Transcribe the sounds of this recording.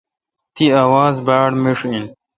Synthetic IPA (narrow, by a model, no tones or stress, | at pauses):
t̪iaːwaːzbaːɽmiʂin